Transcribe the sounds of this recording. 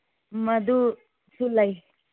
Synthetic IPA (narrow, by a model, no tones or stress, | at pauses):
mad̪u | sulaj